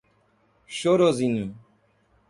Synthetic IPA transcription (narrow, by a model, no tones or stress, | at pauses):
ʃoɾozinũ